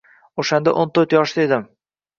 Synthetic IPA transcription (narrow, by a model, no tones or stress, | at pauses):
oʃand̪a̰ʔont̪ʰɵɾt̪jɒʃd̪ed̪ɪm